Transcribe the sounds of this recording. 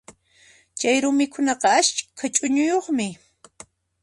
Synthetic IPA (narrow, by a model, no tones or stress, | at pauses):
t͡ʃajɾʊmɪkʊnɑqɑaʃkʰat͡ʃʼʊɲʊjoχmɪ